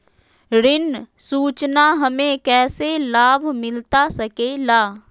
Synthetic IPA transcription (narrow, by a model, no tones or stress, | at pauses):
ɾɪnsuːt͡ʃnaɦəmẽkɛːselaːbʱmɪlt̪asəkelaː